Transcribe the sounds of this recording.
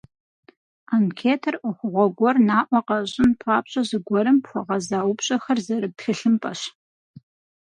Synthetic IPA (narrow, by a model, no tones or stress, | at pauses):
aːmkʰeːtʰɐrʔʷʊχʷʊʁʷɔɡʷɔrnaːʔʷɔqɐɕʼɪnpʰaːpɕʼɐzɨɡʷɔɾɨmpxʷɔʁɐzaːwʊpɕʼɐxɐrzɐɾɨtxɨɬɨmpʼɐɕ